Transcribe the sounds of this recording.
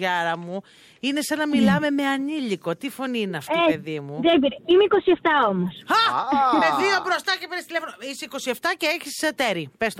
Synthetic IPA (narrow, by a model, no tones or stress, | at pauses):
ʝɐɾɐmu | ine̞sɐnɐmilɐme̞me̞ɐniliko̞t̪ifo̞niineɐft̪epeðimuðebiɾeimeikosieft̪ɐomosxɐmeðio̞bɾo̞st̪ɐcepeɾist̪ilefonoiseiko̞sie̞ft̪ɐceeçissɐt̪eɾipest̪